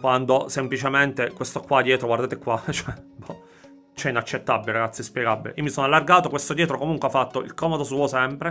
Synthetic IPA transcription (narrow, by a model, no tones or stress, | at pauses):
kwand̪osemplit͡ʃement̪ekwest̪okwad̪jɛːt̪ɾoɡward̪aːt̪ekwat͡ʃoɛbɔ | t͡ʃɛinat͡ʃːet̪ːabːileɾaɡat̪sːispjɛɡabːeliːomisonalːarɡaːt̪okwest̪od̪jɛːt̪ɾokomuŋkweafːat̪ːoḭlkɔmod̪osuːosɛmpɾe